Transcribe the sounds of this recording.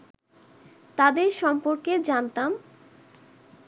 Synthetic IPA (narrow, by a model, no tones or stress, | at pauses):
t̪ad̪eɾʃɔmpoɾked͡ʑant̪am